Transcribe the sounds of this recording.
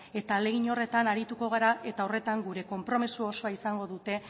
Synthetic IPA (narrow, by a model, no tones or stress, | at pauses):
e̞t̪ale̞ɣiɲo̞re̞t̪anaɾit̪uko̞ɣ̞aɾaʔe̞t̪ao̞re̞t̪aŋɡuɾe̞ko̞mpɾo̞misuoso̞aisaŋɡo̞ðut̪e̞